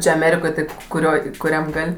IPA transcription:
ˈt͡ʃʲɛ ɐˈmʲæːrʲɪkoːj ˈtɐɪp kʊˈrʲoːj kʊˈrʲɛm ˈɡɐlʲ

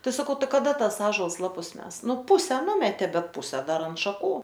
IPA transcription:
ˈtɐɪ sɐˈkɐʊ ˈtɐɪ kɐˈdɐ ˈtɐs ˈɑːʒuɔlˠs ˈlˠɑːpʊs ˈmʲɛs ˈnʊ ˈpʊsʲɛ ˈnʊmʲɛtʲeː ˈbʲɛt ˈpʊsʲɛ ˈdɐr ɐnt ʃɐˈkuː

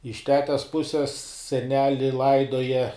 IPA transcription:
ɪʃ ˈtʲæːtʲɛs ˈpʊsʲɛs sʲɛˈnʲæːlʲɪ ˈlˠɐɪdoːjɛ

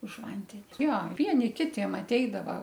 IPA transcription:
ʊʃ ˈʋɐnʲdʲɛnʲɪ ˈjoː ˈʋʲiɛnʲɪ ˈkʲɪtʲiɛm ɐtʲˈɛɪdɐʋɐ

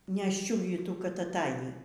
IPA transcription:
nʲɛʃʲˈt͡ʃʲʊʋʲiːtuː kɐt ɐˈtɑːjiː

